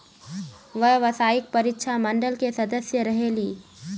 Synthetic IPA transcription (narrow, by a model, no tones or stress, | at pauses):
ʋɐɦʋɐsaːɪk̚pɐɾɪt̪ʃʰamə̃ɳɖəlkesɐd̪əsjəɾɐɦeliː